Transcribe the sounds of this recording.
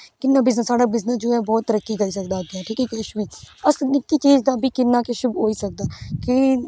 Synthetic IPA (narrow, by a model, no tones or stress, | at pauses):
kɪnːãːbɪznəsːaːɖaːbɪznəsd͡ʒoːɛːbɔːt̪ːəɾəkːiːkəɾiːsəkd̪aːɡɛ̃ːʈʰiːkɛːkɛːʃmiːəsnɪk̪ːiːt͡ʃiːd͡ʒd̪aːbʱiːkɪnːaːkeʃʊbɦoːiːsək̚d̪aːkɪ